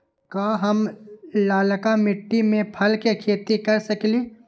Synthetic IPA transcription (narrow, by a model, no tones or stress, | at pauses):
kaːɦɐmlaːləkamɪʈːimẽpʰɐlkekʰeːt̪ikɐɾsɐkliː